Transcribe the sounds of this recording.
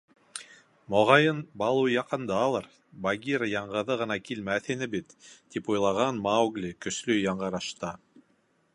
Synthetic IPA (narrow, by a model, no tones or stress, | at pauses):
moʁɑjɤnbɑlˠujɑqɤ̆nd̪ɑːlˠɤɾ | baɡʲiɾəjɑɴʁɤ̆ðɤʁɤ̆nɑkilmæθinɘbit̪ːipujlˠɑʁɑnmawɡlʲikɵ̆ʃlɵjɑɴɢɑ̆ɾɑʃt̪ɑ